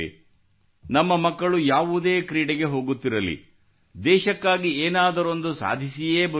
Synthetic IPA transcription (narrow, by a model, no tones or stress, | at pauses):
ḭ | nɐmːɐmɐkːɐɭujaːʋud̪e̞ːkɾiːɽɛɡe̞ɦo̞ːɡut̪ːiɾɐlḭ | d̪ɛːʃɐkːaːɡieːnaːd̪ɐɾo̞nd̪usa̰ːd̪ʱisije̞ːbɐ